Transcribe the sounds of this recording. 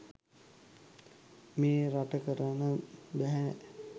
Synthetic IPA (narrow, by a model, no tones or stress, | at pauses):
meːɾaʈəkəɾənəbæɦɛ